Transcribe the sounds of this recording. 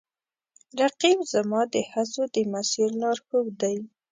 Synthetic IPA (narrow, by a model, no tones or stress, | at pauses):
ɾaqibzamɑd̪əxasod̪əmasiɾlɑɾxəwd̪aj